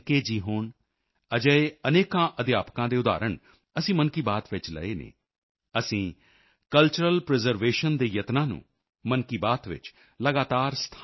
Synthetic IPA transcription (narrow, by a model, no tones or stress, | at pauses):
keːd͡ʒiːɦoːn | əd͡ʒəeːəneːkãːʔəd̪jaːpkãːd̪eːʊd̪a̰ːɾəɳ | əsĩːmənkiːbaːt̪ʋɪt͡ʃlə̰eːnḛː | əsĩː | kəlt͡ʃəɾəlpɾɛzəɾʋeːʃənd̪eːjət̪nãːnṵ̃ː | mənkiːbaːt̪ʋɪ̰t͡ʃ | ləɡaːt̪aːɾst̪ʰ